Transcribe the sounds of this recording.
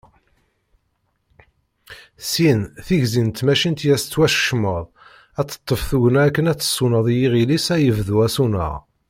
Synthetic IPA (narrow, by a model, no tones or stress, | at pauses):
sinθiʝzint̪mæʃint̪jæst͡sːwæʃə̥ʃməðˤ | æt͡sːə̥t̪ˤːəfθuʝənæækːənæt͡sːə̥sˤːunəðˤjiʁilisæjəvðuæsunə̰ʁ